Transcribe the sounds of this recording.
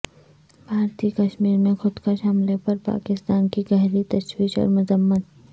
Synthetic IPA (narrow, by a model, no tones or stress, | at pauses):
bʱaːɾt̪iːkɐʃmiːɾmẽxʊd̪kəʃɦɐmlepɐɾpa̰ːkɪst̪aːnkiɡɛɦlit̪ɐʃwiːʃɔ̰ːɾmʊzəmːən